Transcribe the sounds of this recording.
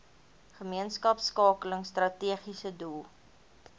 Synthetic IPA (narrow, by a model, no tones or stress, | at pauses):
χəmiənskɐpskɑːkələŋstrɐtiəχisədulˠ